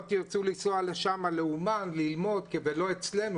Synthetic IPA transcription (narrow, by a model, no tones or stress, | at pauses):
t̪jiʁt͡sulisoaleʃamaleumanlilmo̞d̪kevelo̞et͡sle̞nu